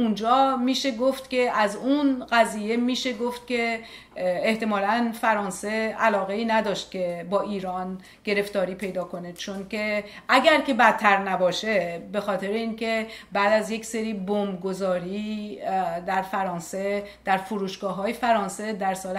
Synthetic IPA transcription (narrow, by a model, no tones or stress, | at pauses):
und͡ʒɒːmiːʃe̞ɡoft̪cʲe̞ʔæzunɢæziːje̞miːʃe̞ɡoft̪̚cʲe̞ | eht̪e̞mɒːlænfæɾɒːnse̞ælɒːɣe̞iːnæd̪ɒːʃt̪̚cʲʰe̞bɒːiːɾɒːn | ɡ̥e̞ɾe̞ft̪ɒːɾiːpʰe̞jd̪ɒːko̞ne̥t͡ʃʰonce̞ʔæɡæɾce̞bæt̪ʰːæɾnæbɒːʃe̞be̞xɒːt̪ʰe̞ɾeiːnce̞bæːd̪æzjecseɾiːbombɡo̞zɒːɾi | d̪æɾfæɾɒːnse | d̪̥æɾfoɾuːʃɡ̥ɒːɦɒːjefæɾɒːnse̞d̪æɾsɒːl